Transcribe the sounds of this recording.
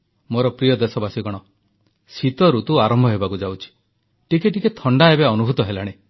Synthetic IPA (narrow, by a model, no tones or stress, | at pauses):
moɾɔpɾijɔd̪esɔbasiɡɔɽ̃ɔ | sit̪ɔɾut̪uaɾɔmbʱɔɦebakud͡ʒawt͡ʃʰi̥ | ʈikeʈiket̪ʰɔɳɖaebeɔnubʱut̪ɔɦela̰ɽ̃e